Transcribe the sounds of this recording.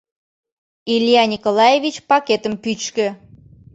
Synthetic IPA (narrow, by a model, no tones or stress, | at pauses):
ilʲjɑnʲikolɑjevit͡ɕpɑket̪əmpyt͡ɕkø̆